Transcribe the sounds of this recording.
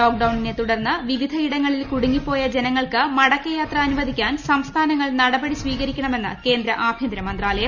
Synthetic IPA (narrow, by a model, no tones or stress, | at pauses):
oːk̚ɖɐwɳinet̪uɽɐrnːɨʋiʋid̪ʱɐiɽɐŋːɐɭilkuɽuŋːipːo̞ːjɐd͡ʑe̞nɐŋːɐɭkɨmɐɽɐkːɐjaːt̪rɐːnuʋɐd̪ʱikʲːaːnsɐmst̪ʰaːnɐŋːɐɭnɐɽɐbɐɽisʋiːɣɐɾikʲːɐɳɐme̞nːɨke̞ːnd̪ɾɐʔaːbʱjɐnd̪ɾɐmɐnd̪raːlɐjɐm